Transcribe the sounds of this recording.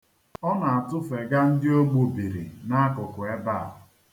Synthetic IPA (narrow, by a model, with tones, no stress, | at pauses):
ɔ˦na˨a˨tʊ˦fe˨ɡa˦n̩˦dɪ˦o˦ɡ͡bu˨bi˨ɾḭ˨na˦a˦kʊ˨kʊ˨e˦ba˦˨ɦ